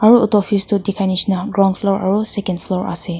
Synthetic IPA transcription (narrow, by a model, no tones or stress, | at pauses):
aɹuut̪ɔfist̪udikʰaniʃnaɡɹɔ̃nflɔɹʔa̰ɹusɛkə̃nflɔɹʔa̰se